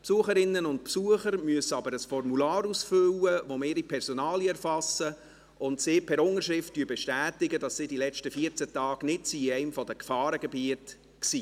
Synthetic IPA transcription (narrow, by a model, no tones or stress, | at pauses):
psuəχəɾɪnːənʊntpsuəχəɾmyəsəɑbəɾəsfɔrmulɑːɾusfʏlːəʋomɪːɾipʰɛɾsɔnɑːljɛɾfɑsːə | ʊntsɪːpʰɛɾʊŋəɾʃɾɪftd̥yːbɛʃtæːtɪɡədɑssidilɛt͡ʃtəfiəɾt͡sɛtɑːɡ̥nɪtsiɛɪmfɔdəkfɑːɾəɡɛbiət | ksiː